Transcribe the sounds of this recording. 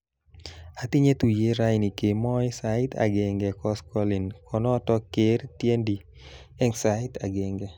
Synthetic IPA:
a˨t̪i˦ɲe˦t̪u˨je˦ɾa˦jni˨ke˨mɔ˦jsaɪ˦t̪a̰˨ɡɛ˨ŋɡɛkɔ˦skɔ˦li˨nkʰɔ˨nɔ˦tɔ˦ke˨˦ɾt̪je˦ndi | ɛ˦ŋsaɪt̪a̰˨ɡɛ˨ŋɡɛ˨

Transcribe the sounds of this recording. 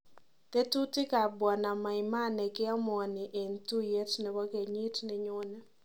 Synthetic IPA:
te˦tu˦tɪ˦ka˨bɔ˨na˨ma˨ɪ˨ma˦nɛ˨ɡɪ˦ɔ˦m˦ɔ˨nɪ˨ʔe˨ntu˦je˦tnɛ˨wɔ˦ke˨ɲɪ˦tnɪ˨ɲʊ˦nɛ˦

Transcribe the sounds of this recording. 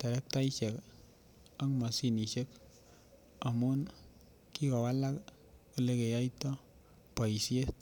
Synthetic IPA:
tɛ˨ɾɛ˦k̚ta˦i˦ʃe˨k | a˦ŋma˨si˦˨ni˨ʃe˦k | a˨mu˦n | ki˦kɔ˨wa˦la˦k | ku˨le˦ke˨ja˦i˦tɔ˦ | pa˨i˨sie˦t

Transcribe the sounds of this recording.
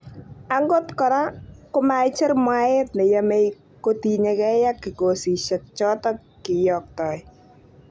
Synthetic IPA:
a˦ŋɡo˦tkɔ˨ɾa˦kʊ˦ma˦t͡ʃɪ˦rmwa˦ɪ˦t̚nɛ˨jame˦j | koti˨ɲekɛ˦ja˦kːɪ˨ko˨si˨ʃɛ˨t̚t͡ʃɔ˦tɔ˦ | kɪ˨jɔ˨k̚tɔ˨j

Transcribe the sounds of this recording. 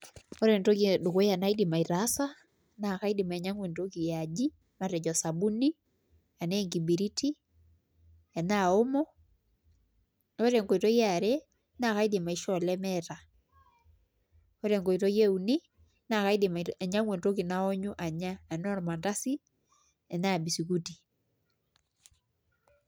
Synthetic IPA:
o˦ɾɛ˨nto˦ki˨do˨ko˦ja˨na˦idi˨ma˨i˨ɾa˦sa˦ | na˨ka˦i˦dima˨ɛ˨ɲa˦ŋwe˨ntoki˨jad͡ʒi˦ | ma˨ɾɛ˨d͡ʒɔ˨sa˨bu˦ni˦ | ja˨nɛ˦ŋɡi˨bi˨ɾi˦ti˦ | ja˨naomɔ˦ | o˦ɾɛŋɡo˨i˨tɔ˦jaɾɛ | na˨ka˦ide˨ma˨i˨ʃɔlɛ˦mɛta˨ | o˦ɾɛŋɡo˨i˨tɔ˦jɛ˦uni˦ | na˨ka˦i˦deɛ˨ɲa˦ŋwe˨nto˦ki˨na˦ɔ˦ɲo˦ʔa˨ɲa˦ɛ˨nɔ˦ɾɔ˨ma˨nda˦si˦ | ɛ˨na˦bi˨si˨kuti˨

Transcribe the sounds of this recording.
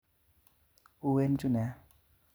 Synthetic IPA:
u˦we˦n˦t͡ʃu˦nɛ˨˦

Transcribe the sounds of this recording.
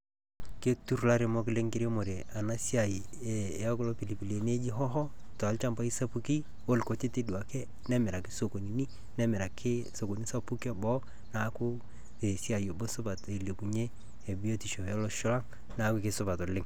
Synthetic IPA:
ke˦tu˦ɾla˦ɾe˨mɔ˦kɪ˦lɪ˦ŋkɪ˦ɾe˦mo˨ɾe˨a˨na˦si˦a˨i˨e˨ɔ˦klɔ˦pi˨li˨pi˨le˨ne˦d͡ʒi˦ɦɔ˦ɦɔ˦ | tɔ˨a˨lt͡ʃa˦mpa˦i˦sa˦pu˨˦ki˦ | o˦lko˨t͡ʃe˦te˦dwa˨kɛ˦ | nɛ˦mɪ˨ɾa˨kɪ̥˦so˨ko˨ni˨ni˦ | nɛ˦mɪ˨ɾa˨kʰɪ˦so˨ko˨ni˦sa˦pu˦kɔ˦bɔ˦ | na˦kʊ˦ | e˨si˦a˨jo˨bo˦sʊ˦ba˨te˨le˨ku˨ɲe˦ | e˨bi˦o˦ti˨ʃo˨ɔ˦lɔ˦ʃʊ˦la˦ŋ | na˦kʊ˦kɪ˦sʊ˦ba˨tɔ˨lɪ˦ŋ

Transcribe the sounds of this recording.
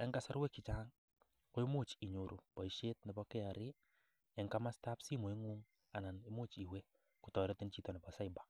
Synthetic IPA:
ɛ˦ŋɡa˦sa˦ɾwe˦kɪ˨t͡ʃa˦ŋ | ko˦i˦mu˦t͡ʃi˨ɲo˨ɾʔo̰˨bɔ˨i˨ʃe˦t̚nɪ˨bɔ˦kɪ˦a˨ɾɪ˦ | ɛ˨˦ŋka˦ma˦sta˦psi˦mo˨ɪ˦ŋuː˦ŋ | a˨na˨nɪ˦mo˦t͡ʃi˨we˦ | ku˨tɔ˨ɾɔ˦ti˦nt͡ʃi˦tɔ˨ni˨bɔ˨sa˦jba˨

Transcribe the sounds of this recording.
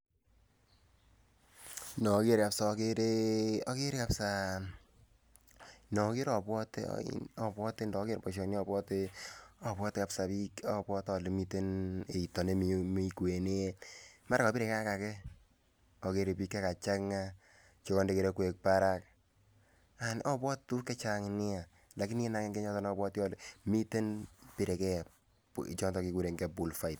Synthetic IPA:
nɔ˨˦ke˦ɾe˨ka˨psa˨ke˦ɾe˦ɔ˦ke˦ɾe˦ka˨psa˦ | nɔ˨˦ke˦ɾɔ˨pwɔ˦tḛ˦ɔ˨pwɔ˦te˦ndɔ˨˦ke˦ɾpɔ˨ʃ̬ɔ˨n˦ɔ˨bɔ˦te˦ɔ˨pwɔ˦te˦ka˨psa˨pi˦kɔ˦pwɔ˦tɔ˨li˨mi˦te˦ne˨i˨tɔ˨ne˦mi˨mi˦ke˨ne˦ma˦ɾkɔ˨pi˦ɾe˨ka˦ka˨kɛ˦ | ɔ˨ke˨ɾe˨pi˦kːe˦ka˨t͡ʃa˦kŋa˦ | t͡ʃo˦kɔ˦nde˦ke˨ɾe˦kwe˨k̚pa˦ɾa˦k̚ | a˨nʔɔ˦pwɔ˦tu˦kɛ˦t͡ʃa˦ŋnɪ˦a˨ | la˨ki˦n˦e˦na˨ke˦ŋɡe˦ɲɔ˦tɔ˦nɔ˦bwɔ˦tjɔ˦le˦mi˦te˦npi˦ɾe˨kɛ˦˨ | t͡ʃɔ˦ntɔ˨ki˨ku˨ɾe˨ŋɡɛ˨bu˨lfa˨i˨t̚

